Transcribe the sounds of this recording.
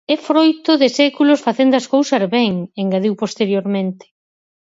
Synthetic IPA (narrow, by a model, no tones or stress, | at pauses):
efɾojt̪ʊðɪsɛkulʊsfaθend̪oaskowsazβɛŋeŋɡaðiwpost̪eɾjoɾmẽnt̪ɪ̥